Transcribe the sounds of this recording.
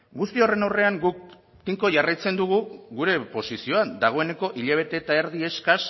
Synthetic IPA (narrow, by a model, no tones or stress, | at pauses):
ɡust̪io̞re̞nawre̞aŋɡuk̚ | t̪iŋko̞ʝarajt͡se̞nd̪uɣ̞uɣuɾe̞po̞sisio̞and̪aɣ̞o̞e̞ne̞ko̞ʔiʎaβ̞e̞t̪e̞t̪ae̞ɾðie̞skas